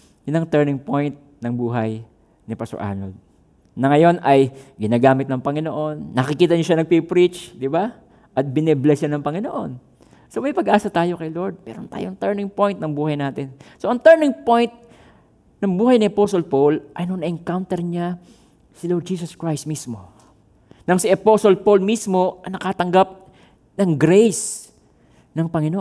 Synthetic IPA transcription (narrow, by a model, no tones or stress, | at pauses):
jʊnɐŋt̪ɛɹnɪŋpo̞jnt̪̚nɐŋbuːɦɐj | nɪpɐso̰ʔa̰nol | nɐŋɐjo̞nʔɐjɡɪnaːɡaːmɪt̪̚nɐŋpɐŋɪnoʔo̞nːɐkɪkiːt̪ɐɲoʃanɐɡ̚pipɾit͡ʃd̪ɪba | ʔɐt̪̚bɪnɛblɛsjanɐŋpɐŋɪnoʔo̞n | somɐjpɐɡʔaːsɐt̪aːjo̞kɐjlo̞ɹd̪̚mɛ̰ɾont̪a̰ːjoʔɐŋt̪ɛɹnɪŋpo̞jnt̪̚nɐŋbuːhɐjnaːt̪ɪnso̞ʔɐŋt̪ɛɹnɪŋpo̞jnt̪̚ | nɐŋbuːhɐjnɪʔɐposolpolʔɐjnonɐʔɪŋkawnt̪ɛɹɲa | sɪloɹd̪̚d͡ʒiːsɐskɹajst̪̚mismo̞ | nɐŋsɪʔɐposolpolmismo̞ɐjnɐkaːt̪ɐŋɡap̚ | nɐŋɡɾejs | nɐŋpɐŋɪnoʔ